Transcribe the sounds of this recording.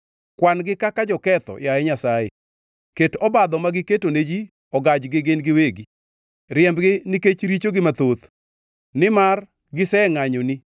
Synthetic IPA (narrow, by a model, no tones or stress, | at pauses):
kwanɡɪkakad͡ʒɔkɛt̪ɔ̰jaɛɲasajḛ | ketɔbad̪ɔmaɡɪketoned͡ʒi | ɔɡad͡ʒɡɪɡenɡɪweɡi | ɾjɛmbɡɪniket͡ʃɾit͡ʃoɡɪmat̪ot̪ | nɪmar | ɡɪsɛŋaɲoni